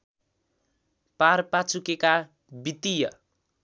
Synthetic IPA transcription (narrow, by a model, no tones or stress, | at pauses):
parpat͡sukeka | bit̪ijʌ